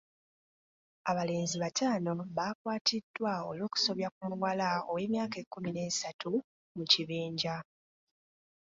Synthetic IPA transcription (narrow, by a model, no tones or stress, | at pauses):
aβale̞ːnziβatʰaːno̞βakwaːtʰidːwaolwoːku̥so̞βjakumuwalao̞we̞ːmjaːke̞ːkːumine̞ːsatu | muciβeːɲɟa